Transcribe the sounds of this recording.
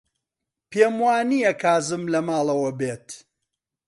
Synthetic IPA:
peːmwaːnijɐkʰaːzɨmlɐmaːlˠɐwɐbeːt̪

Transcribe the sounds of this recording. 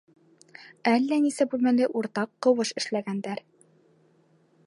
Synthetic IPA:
ælːænisæbʉlmænɘʔuɾt̪ɑqːɤ̆wɤʃɘ̆ʃlæɡænd̪æɾ

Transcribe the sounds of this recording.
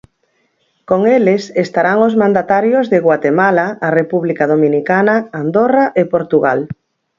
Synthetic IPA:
koŋelesest̪aɾaŋozmãnd̪at̪aɾjozðɪɣwat̪emalaːrepuβlikaðomĩnikanaand̪oraʔepoɾt̪uɣa̰l

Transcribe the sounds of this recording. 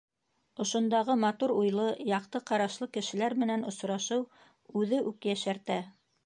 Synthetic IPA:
ŏʃŏnd̪ɑʁɤmɑt̪uɾujlˠɤjɑqt̪ɤqɑɾɑʃlˠɤkɘ̆ʃɘ̆læɾmɘ̆nænŏsɾɑʃɤw | ʉðɘʔʉkjæʃæɾt̪æ

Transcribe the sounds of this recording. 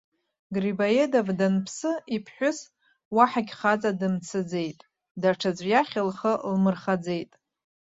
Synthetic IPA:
ɡribajedavdanpʰsɨipʰħʷʊs | waħaɡʲχat͡sʼadɨmt͡sʰɨd͡ze̞jtʼ | daʈ͡ʂʰad͡zʷʼjaχʲɪlχəlmɨrχad͡ze̞jtʼ

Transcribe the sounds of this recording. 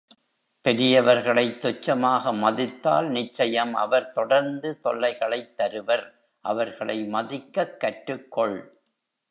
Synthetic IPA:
pɛɾɪjɐʋɐɾɣɐɭɐɪt̪ːɔt͡ʃːɐmaːɣɐmɐðɪt̪ːa̰ːlnɪt͡ʃːɐjɐmʔɐ̰ʋɐɾt̪ɔɽɐɾnd̪ɯt̪ɔlːɐɪɣɐɭɐɪt̪ːɐɾɯʋɐɾ | ʔɐ̰ʋɐɾɣɐɭɐ̰ɪmɐðɪkːɐkːɐʈɾɯkːɔɭ

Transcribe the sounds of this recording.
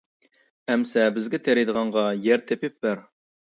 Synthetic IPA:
æmsɛbɪzɡʲɛt̪ʰæɾid̪əʁɑɴʁɑjæɾt̪ʰepɪp̚bæɾ

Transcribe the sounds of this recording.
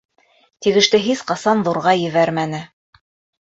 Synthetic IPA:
t̪iɡɘ̆ʃt̪ɘɦisqɑsɑnðuɾʁɑjɘ̆βæɾmænɘ

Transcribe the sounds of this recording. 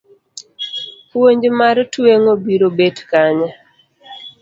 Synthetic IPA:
pwoɲd͡ʒmaɾtweŋobiɾobedkaɲa

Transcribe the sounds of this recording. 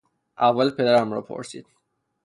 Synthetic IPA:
ʔævːælpʰe̞d̪æɾæmɾɒːpʰo̰ɾsḭːd̪̥

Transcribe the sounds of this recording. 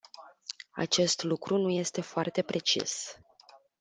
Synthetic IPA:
a̰t͡ʃe̞st̪lukɾunuje̞st̪e̞foart̪e̞pɾe̞t͡ʃḭs

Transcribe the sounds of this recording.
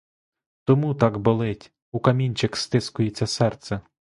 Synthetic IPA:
t̪ɔmut̪ɑɡbolˠɪtʲ | ukɐmʲinʲt͡ʃɪkst̪ɪskʊjet͡sʲːɐsɛrt̪sɛ

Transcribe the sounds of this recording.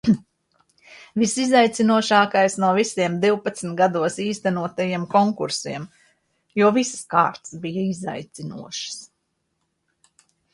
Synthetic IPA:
visizajt̪sinuɔʃaːkajsnuɔvisiɛmd̪iwpat̪sm̩t̪̚ɡad̪uɔsiːst̪ænuɔt̪ajiɛmkɔŋkuɾsiɛm | juɔvisska̰ːɾt̪sbijaiza̰jt̪sinṵɔʃs

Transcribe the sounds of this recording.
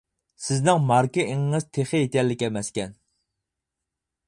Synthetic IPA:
sɪznɪŋmɑɾkiʔɪŋŋɨz̥t̪ʰeχɪjet̪ʲɛlːɪkʲɛmɛskʲɛn

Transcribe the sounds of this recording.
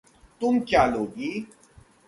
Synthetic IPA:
t̪ʊmkjaːloːɡiː

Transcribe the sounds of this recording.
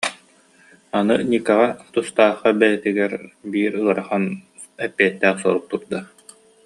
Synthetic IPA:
anɯnʲikaʁat̪ust̪aːχabɛjɛt̪iɡɛɾbiːɾɯɐɾaχan | ɛpːiɛt̪ːæːχsɔɾuk̚t̪uɾd̪a

